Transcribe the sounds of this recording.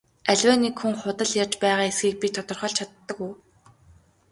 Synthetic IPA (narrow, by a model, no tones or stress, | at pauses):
æɮʲwæːnekxuŋχʊt̪ə̆ɮjart͡ɕpæːʁaːesɡiːk̚pit̪ʰʊt̪ɞ̆rχɞ̆ɮt͡ɕʰat̪ːə̆kuj